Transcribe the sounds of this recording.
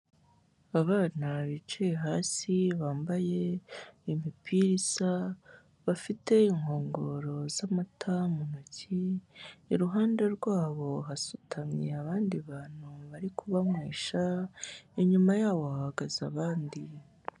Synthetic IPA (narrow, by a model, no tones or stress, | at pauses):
aβaːnaβit͡ʃeeɦaːsiβaːmbaje̞imipʰiɾiza | βafite̞iŋho̞ːŋɡoɾo̞zamatʰamunoci | iɾuɦaːndeɾɡwaːβo̞ɦasu̥tʰamɲḛaβaːndiβaːn̥huβaɾikʰuβamweːʃa | iɲumajaːβo̞hahaɡazaβaːndi